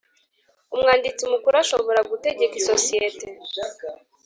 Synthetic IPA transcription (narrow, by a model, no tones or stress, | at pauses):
umŋaːndit͡siumukuɾoaʃo̞βo̞ɾaɡute̞ɟe̞kiso̞sijete̞